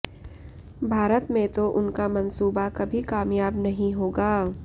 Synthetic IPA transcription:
bʱaːɾət̪mẽt̪oʔʊnkamɐ̃nsuːbakɐbʱikaːmjaːbnɐɦĩɦoːɡaː

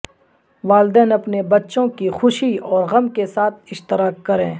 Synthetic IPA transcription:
ʋaːld̪ɛːnɐpnebɐtːʃõkixʊʃiɔːɾɣɐmkesaːt̪̚ʰɪʃt̪ɪɾaːkːɐɾẽː

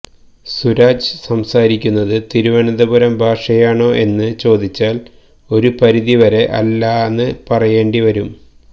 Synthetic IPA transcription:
suɾaːd͡ʑɨsɐmsaːɾikʲːunːɐðɨt̪iɾuʋɐɳɐd̪ɐbuɾɐmbʱaːʂɐjaːɳo̞ːʔe̞nːɨt͡ɕo̞ːd̪it͡ɕːaːl | o̞ɾupɐɾiðiʋɐɾe̞ʔɐ̰lːaːenːɨpɐrɐje̞ːɳɖiʋɐɾum

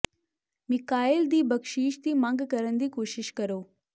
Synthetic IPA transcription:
mɪkaːɪld̪iːbəkʃiːʃt̪iːmãŋɡkəɾənd̪iːkoːʃɪʃkəɾoː

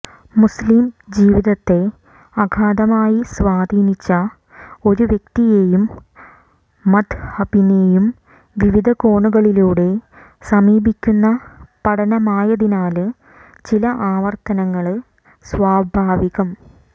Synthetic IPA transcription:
muslimd͡ʑiːʋiðɐt̪ːe̞ | ɐɡʱaːd̪ɐmaːjisʋaːd̪ʱiːnit͡ɕːɐ | o̞ɾuʋjek̚t̪ijeːjum | ɐd̪hɐbinejum | ʋiʋid̪ʱɐko̞ːɳuɣɐɭiluːɽe̞ | sɐmiːbikʲːunːɐpɐɽʰɐnɐmaːjɐðinaːlɨ | t͡ɕilɐʔaːʋɐrt̪ɐnɐŋːɐɭ | sʋaːbʱaːʋiɣɐm

